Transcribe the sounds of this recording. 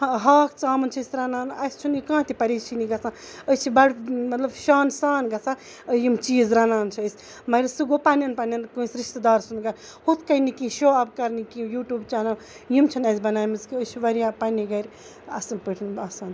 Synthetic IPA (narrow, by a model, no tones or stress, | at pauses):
ɦaːkʰt͡saːmɐnt͡ʃʰɐsɾanaːnɐst͡ʃʰunikãːt̪ipɐɾit͡ʃʰiniɡɐt͡sã | ət͡ʃʰibɐɽmɐt̪lɐbʃaːnsaːnɡɐt͡sʰã | əjimt͡ʃiːzɾanaːnt͡ʃʰiəjsʲ | mɐɾsɨɡopanɐnpanʲɐnkũsɾiʃt̪d̪aːɾsunɡɐn | hut̪ʰkɐjnikĩʃoɐbkɐɾnikijuːʈuːbt͡ʃaːna | jimt͡ʃʰɐnɐsbɐnaːjmɨzkiət͡ʃʰiʋɐɾijapɐniɡɐɾʲ | ɐ̰sɐmpəʈʰinɐsaːn